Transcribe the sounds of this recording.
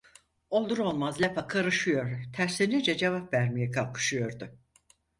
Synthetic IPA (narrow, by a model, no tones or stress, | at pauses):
o̞lˠd̪uɾo̞lˠmazlʲepʰakʰaɾɯʃɯjo̞ɾt̪ʰæɾsʲinid͡ʒɛd͡ʒevapvæɾmijɛkʰalˠkʰɯ̥ʃɯjo̞ɾd̪ʊ